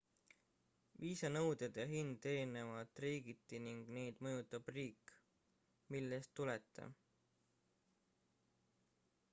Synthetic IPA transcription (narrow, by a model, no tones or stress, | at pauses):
viːsɑnɤwd̪̥ed̪̥jɑɦind̪̥e̞ɾine̞vɑlt̪ːˑriːɡ̥it̪ːiniŋɡ̥ne̞jd̪̥mɤjut̪ːˑɑb̥riːkː | milːest̪ːulet̪ːˑɑ̰